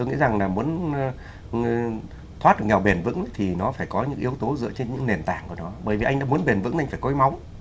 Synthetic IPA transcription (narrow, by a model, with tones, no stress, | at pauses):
t̪o˧jŋḭ˧˥za˨˩ŋlaː˨˩mu˨˦ən˧ | t̪ʰwaː˦˥t̚ɗɨ˨˩kŋɛ˨˩wɓe˨˩nvɨ̰˧˥ŋ˦t̪ʰi˨˩nɔ˨˦faː˧˩jkɔ˨˦ɲɨ̰˧˥ŋʔi˨˦əwt̪o˨˦zɨ̰˧˨t͡ɕe˧nɲɨ̰˧˥ŋne˨˩nt̪a̰ː˧˩ŋku˧˩ənɔ˨˦ɓəː˧˩jvi˨˩ʔa˧ŋ̟ɗa̰ː˧mu˨˦ənɓe˨˩nvɨ̰˧˥ŋʔjŋ̟faː˧˩jko˨˦jma˨˦wŋ͡m